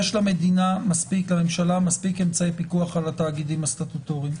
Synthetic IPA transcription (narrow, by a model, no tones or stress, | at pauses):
eʃlame̞d̪inamaspiklame̞mʃalamaspikemt͡saepikuaχalat̪aːɡid̪imastat̪ut̪oʁim